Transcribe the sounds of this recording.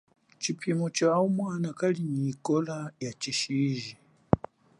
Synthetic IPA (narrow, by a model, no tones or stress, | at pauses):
t͡ʃipʰimɔt͡ʃaumwanakaliɲiːkɔlajat͡ʃiʃiʒi